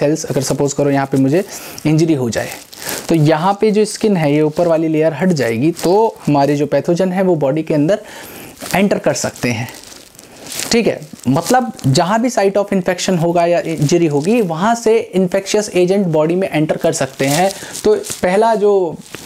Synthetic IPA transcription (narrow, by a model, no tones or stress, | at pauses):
ɛlsɐɡəɾsɐpoːzʈkɐɾojɐɦãpemʊd͡ʒʱe | ɪ̃ɲd͡ʒuɾiɦod͡ʒa̰ːḛ | t̪ojɐɦãped͡ʒoːɪskɪnɦɛ̃jeuːpəɾʋaːlileːjəɾɦɐʈd͡ʒa̰ːḛːɡit̪ohɐmaːɾed͡ʒoːpɛːt̪ʰod͡ʒənɦɛ̃ʋobɔːɖikeɐ̃nd̪əɾ | ẽːɳʈəɾkɐɾsɐ̰k̚t̪eɦɛ̃ː | ʈʰiːkɦɛ̰ːmɐt̪ləbd͡ʒɐɦãbʱisaːɪʈɔːfɪ̃nfɛkʃənɦoːɡajaʔɪ̃nd͡ʒuɾiɦoːɡiʋɐɦãseɪ̃nfɛkʃiəseːd͡ʒə̃ɳʈbɔːɖimẽʔɛ̃ːɳʈəɾkɐɾsɐk̚t̪eɦɛ̃t̪oːpɛɦlad͡ʒoː